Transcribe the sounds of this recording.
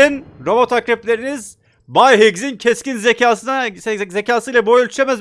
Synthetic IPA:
inɾo̞mot̪ʰakɾeplʲe̞ɾiniz | bajɦeɡzincʰɛscinzecaːsɯnazecaːsɯjlˠabojølʲt̪ʰyʃʲemæz

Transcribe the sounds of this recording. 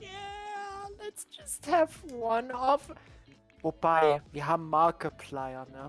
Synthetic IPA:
jæ | lɛtsd͡ʒʌsthəvwʌ̃nɔv | wɛb̥aɪjiɦamalkəpʰlaɪəna

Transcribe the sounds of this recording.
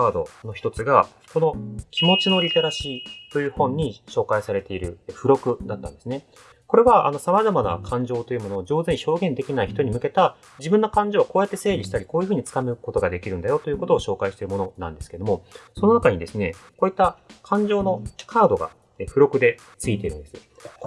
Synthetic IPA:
aːd̪o̞̰no̞çi̥t̪o̞t͡sɨɡa | ko̞no̞kʲimo̞t͡ɕino̞ɾʲit̪e̞ɾaɕiːt̪o̞jɯ̟ːhõ̞ɲ̟ːiɕo̞ːkaisaɾe̞t̪e̞iɾɯ̟ɸɯ̟ɾo̞kɯ̟d̪at̪ːãnd̪eɨne | ko̞ɾe̞βaa̰no̞samazamana̰kʰãɲ̟d͡ʑo̞ːt̪o̞jɯ̟mo̞no̞ːd͡ʑo̞ːzɨeɲ̟iço̞ːɡẽ̞nd̪e̞kʲinaiçi̥t̪o̞ɲ̟imɯ̟ke̞t̪a | d͡ʑibɯ̟̃nːo̞kãɲ̟d͡ʑoːβakoːjat̪ːe̞se̞ːɾʲiɕi̥t̪aɾʲiko̞ːjɯ̟ɸɯ̟ːɲ̟it͡sɨ̥kamɯ̟ko̞t̪o̞ɡad̪e̞kʲiɾɯ̟̃nd̪ajo̞t̪o̞jɯ̟ko̞t̪o̞ːɕo̞ːkaiɕi̥t̪e̞ɾɯ̟mo̞nonã̰nd̪e̞sɨ̥ked̪o̞mo̞so̞no̞nakaɲ̟id̪e̞sɨne̞ko̞ːit̪ːakʰãɲ̟d͡ʑo̞ːno̞kʰaːd̪o̞ɡa̰ | eɸɯ̟ɾo̞kɯ̟d̪e̞ | t͡sɨit̪e̞iɾɯ̟̃nd̪e̞sɨo

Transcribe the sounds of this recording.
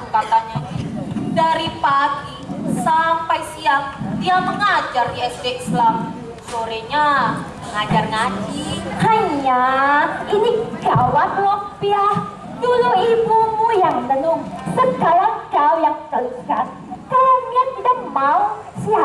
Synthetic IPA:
ukat̪ananidaɾipat̪isampajsiaŋdiaməŋad͡ʒardiɛsdeʔslam | soɾeɲaməŋad͡ʒarŋad͡ʒihaɲa | iniɡ̥awat̪lɔk̚biah | duluibumujaŋmənumsəɡ̥alaɡ̥awjaŋt̪əlɡat̪̚ | kalamjakt̪idak̚mau | sia

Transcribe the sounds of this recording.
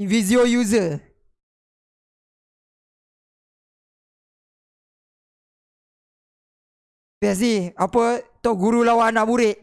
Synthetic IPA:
vidiojuzə | bɛs̬niapət̪oɡuɾulawanabuɾeʔ

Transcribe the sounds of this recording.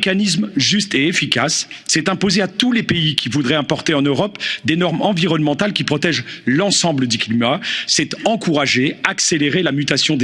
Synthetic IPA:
kanismʒyst̪eefikʲasːɛt̪ɛ̃pozeat̪ulepeikʲivud̪ʁɛɛ̃pɔʁt̪eɑ̃nøʁɔpd̪enɔʁmɑ̃viʁɔnmɑ̃t̪alkʲipχɔt̪ɛʒlɑ̃sɑ̃bləd̪yklimasɛt̪ɑ̃kuʁaʒeakseleʁelamyt̪asjɔ̃d̪

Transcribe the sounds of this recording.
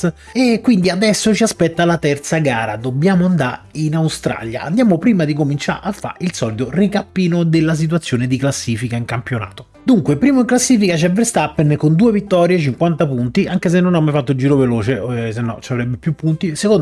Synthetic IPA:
ekːwind̪iad̪ɛsːot͡ʃiaspɛt̪ːalat̪ɛrt̪saɡaːɾad̪objaːmoand̪aɾinawst̪ɾa̰lja̰a̰nd̪jaːmopɾiːmad̪ikomint͡ʃa̰afːa̰ilsɔlit̪orikapːiːnod̪elːas̬it̪̬wat̪sːjoːned̪iklasːiːfikaiŋkampjona̰ːt̪o̥ | d̪uŋkwepɾiːmoiŋklasːiːfikat͡ʃɛvːɾest̪apːenkond̪uːevit̪ːɔːɾjet͡ʃiŋkwant̪apunt̪iʔaŋkes̬enːonamːajfat̪ːod͡ʒiːɾoveloːt͡ʃesenːɔ̰t͡ʃavɾɛbːepjupːunt̪isekon

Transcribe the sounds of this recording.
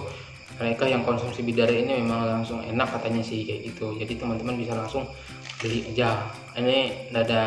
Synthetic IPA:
məɾekahjaŋkɔnsumsibidaɾainimemaŋlaŋsʊŋḛnakːat̪aɲasɪhit̪ud͡ʒadit̪əmant̪əmanbisalaŋsʊŋ | did͡ʒa | inindada

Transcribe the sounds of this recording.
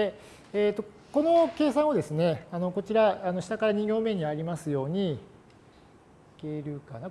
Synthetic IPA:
e | eːt̪ːo̞ | ko̞no̞ke̞ːsãɰ̃od̪e̞sɨne̞ano̞ko̞t͡ɕiɾaːno̞ɕi̥t̪akaɾaɲ̟ĩɡʲo̞ːmẽ̞ɲ̟iβaɾʲimasɨjo̞ːɲ̟i | ike̞ɾɯ̟kana

